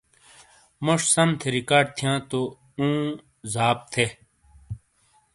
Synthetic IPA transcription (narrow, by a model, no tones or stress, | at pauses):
moʂsɐmt̪ʰeɾikaːɖ̚t̪ʰijãːt̪o | ũː | zaːp̚t̪ʰe